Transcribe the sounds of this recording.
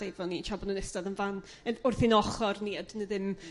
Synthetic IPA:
ejvɔnint͡ʃʰɔbɔnunɛstaðənvan | ənʊrθinɔχɔrniadənəðɪm

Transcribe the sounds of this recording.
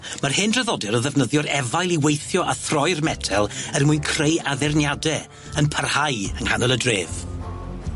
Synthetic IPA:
marhɪndrəðɔdɛɾəðɛvnəðjɔɾɛvajlˠiwejθjɔʔaθrɔɨrmɛdʰɛlˠərmʊɨnkʰrejaðɪrnjadɛ | ənpʰarhajənhanəlˠədreːv̥

